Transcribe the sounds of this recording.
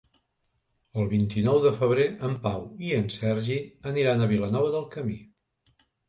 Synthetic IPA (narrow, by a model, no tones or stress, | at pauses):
əlˠβint̪inɔwðəfəβ̞ɾeəmpawiənsɛrʒiəniɾanəβilənɔβ̞əðəlˠkəmi